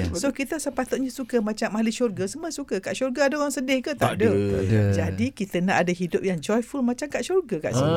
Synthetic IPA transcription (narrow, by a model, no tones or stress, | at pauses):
sokit̪əsəpat̪ʊt̪̚ɲãsukəmãt͡ʃamaliʃurɡəsəməsukəkaʔʃurɡaadaoɾaŋsədɪhkət̪adod͡ʒadikit̪ənaʔadaɦidʊp̚jaŋd͡ʒɔjfulmat͡ʃamkaʔʃurɡəka̰ʔsi